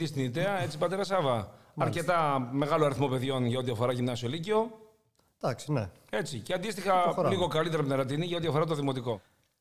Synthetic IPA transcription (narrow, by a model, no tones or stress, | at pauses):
ist̪iniðeɐe̞t͡sipɐt̪e̞ɾɐsɐvɐ | ɐɾce̞t̪ɐme̞ɣɐloɐɾiθmo̞pe̞ðʝo̞nʝɐo̞t̪iɐfo̞ɾɐʝimnɐsio̞liceo̞ | d̪̥ɐksi̥ne | e̞t͡siceɐnd̪ist̪ixɐɾliɣo̞kɐlit̪eɾɐpneɾɐt̪̬iniʝɐo̞t̪iɐfoɾɐt̪o̞ðimo̞t̪iko̞